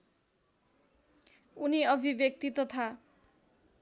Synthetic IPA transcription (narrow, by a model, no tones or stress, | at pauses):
uniʌbʱibjʌk̚t̪it̪ʌt̪ʰa